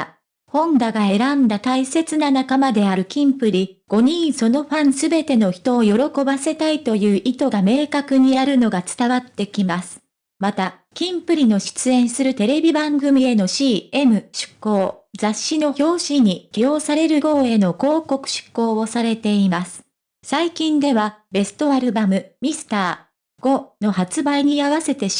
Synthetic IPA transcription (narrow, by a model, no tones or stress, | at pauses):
hõ̞ŋɡ̪aɡae̞ɾãnd̪at̪aise̞t͡sɨnanakamad̪e̞aɾɯ̟kʲĩmpɯ̟ɾʲiɡ̥o̞ɲ̟ĩɰso̞no̞ɸãɰ̃sɨbe̞t̪e̞no̞çi̥t̪o̞ːjo̞ɾo̞ko̞base̞t̪ait̪o̞jɯ̟ːʔit̪o̞ɡame̞ːkakɯ̟ɲ̟iaɾɯ̟no̞ɡat͡sɨ̥t̪aβat̪ːe̞kʲimasɨ̥ | mat̪a | kʲĩmpɯ̟ɾʲino̞ɕi̥t͡sɨẽ̞ɰ̃sɨɾɯ̟t̪e̞ɾe̞bʲibãŋɡɯ̟mʲie̞no̞ɕiːe̞mɯ̟ɕɨ̥kːo̞ːd͡zaɕːino̞ço̞ːɕiɲ̟iɡ̥ʲijo̞ːsaɾe̞ɾɯ̟ko̞ːe̞no̞ko̞ːko̞kɯ̟̥ɕɨ̥kːo̞ːβo̞saɾe̞t̪e̞imasɨ̥ | saikʲĩnd̪e̞βabe̞sɨ̥t̪o̞aɾɯ̟bamɯ̟mʲisɨ̥t̪aː | ɡ̥o̞no̞hat͡sɨbaiɲ̟iaβase̞t̪e̞